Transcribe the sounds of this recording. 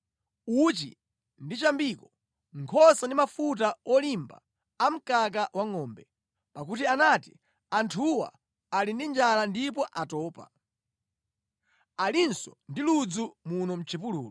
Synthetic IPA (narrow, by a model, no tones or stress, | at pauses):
ut͡ʃḭ | ndit͡ʃambiːkɔ | ŋkʰɔsandimafut̬aɔlimba̰ː | m̩kak̬awaŋɔːmbɛ | pak̬utianati | antʰuwa̰ː | lindind͡ʒalandip̬ɔʔatɔːpa̰ | alinsɔndilud͡zumunɔm̩t͡ʃʰipulṵːlɔ